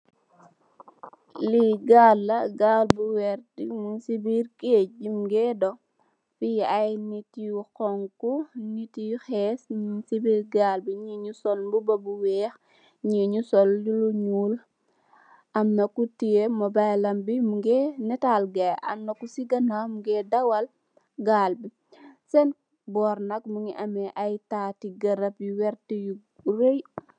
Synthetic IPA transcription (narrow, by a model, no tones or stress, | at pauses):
liɡaːlːɐɡaːlbuwɛɾdimuŋsibiɾked͡ʒimɡɛdɔ | fiajnitijukɔŋkunitijuxɛːsunsibiɾɡaːlbiɲiɲusɔlbubɐbuwɛːx | ɲiɲusɔljuluɲuːl | ʔɐmnɐkutijemɐbajlɐmbimuŋɡɛnɛtalɡɐɐ̰mnɐkusiɡɐnamuɡɛdɐwɐl | ɡaːlbi | sɛn | bɔːɾnɐk̚muŋiʔɐmɛʔɐjtaːtiɡɐɾɐpjuwɛɾtiju | roj